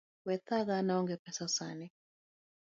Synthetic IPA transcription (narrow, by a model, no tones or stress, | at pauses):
wɛt̪aɣanaɔŋɡɛpɛsasani